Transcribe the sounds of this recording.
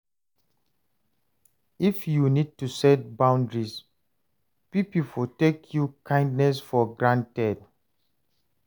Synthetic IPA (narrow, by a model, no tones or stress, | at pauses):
ifjunid̚tusɛt̚bãw̃ndɹis | pipipɔtekʰjukʰãɪ̃ndnɛsfɔɡɹãntɛd̚